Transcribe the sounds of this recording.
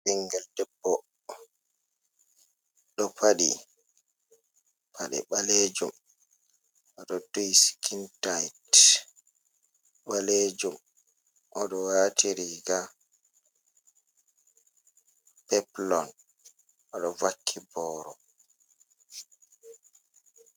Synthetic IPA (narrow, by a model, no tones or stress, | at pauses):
biŋɡɛldɛbːɔ | ɗɔpʰaɗi | pʰaɗɛ̰ɓaled͡ʒum | ʔɔɗɔtoiskʰintajt | ɓaled͡ʒum | ʔɔɗɔwatiɾiɡa | pɛplɔn | ʔɔɗɔvakʰːibɔːɾɔ